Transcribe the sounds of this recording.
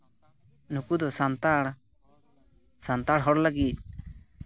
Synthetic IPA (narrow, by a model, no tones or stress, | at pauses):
nukud̪ɔsant̪aɽ | sant̪aɽɦɔɽlaɡit̪̚